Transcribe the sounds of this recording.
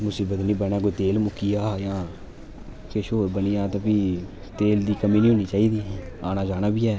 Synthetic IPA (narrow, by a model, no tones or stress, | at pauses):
mʊsiːbət̪nĩːbɛnaːk̬oːiːt̪eːlmʊkːiːjaːjãː | keːʃoːɾbənijaːt̪ãːpiː | t̪eːld̪iːkəmiːnĩːɦoːniːt͡ʃaːiːd̪iːaːnaːd͡ʒaːnaːbiːɛː